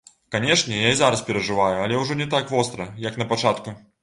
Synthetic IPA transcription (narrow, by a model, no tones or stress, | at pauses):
kanʲɛʂnʲɛjaizaɾɐspʲɛɾɐʐɨvajuɐlʲɛwʐɔnʲɛt̪akvɔst̪ɾɐjɐknɐpat͡ʂat̪ku